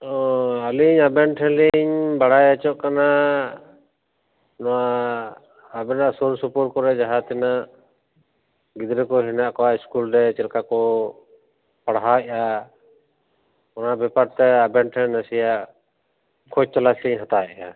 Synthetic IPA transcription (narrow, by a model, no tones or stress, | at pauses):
ɔaliɲabɛnʈʰɛ̃liɲbaɽajat͡ʃɔʔkana | nɔwa | bɛnaʔsɔɾsupɔɾkɔɾɛd͡ʒaɦat̪ɛnaʔ | ɡid̪ɾɛkɔɦinaʔkɔwaiskulɾɛt͡ʃɛlkakɔ | paɽɦaʔa | ɔnabɛpaɾt̪ɛabɛɳʈʰɛnasijaʔ | kʰɔd͡ʒ̚t͡ʃalasliɲɦat̪aja